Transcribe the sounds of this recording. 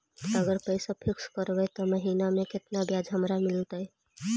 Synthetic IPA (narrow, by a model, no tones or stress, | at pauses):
əɡəɾpəɪsapʰikskəɾbɛt̪ɔməɦinameket̪nabjad͡ʒʱɦəmɾamilt̪əj